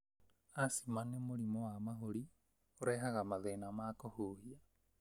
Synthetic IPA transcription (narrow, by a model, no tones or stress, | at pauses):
asimanemoɾimowamaɦoɾi | oɾɛɦaɣamaðenamakohuːhia